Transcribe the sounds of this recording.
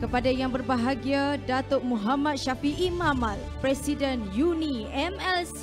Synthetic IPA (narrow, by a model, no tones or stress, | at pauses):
kəpadajaŋbərbaɦaɡiadat̪oʔ̚muɦamãt̪̚ʃafiʔimãmalpɾɛsidɛnjuniɛmɛls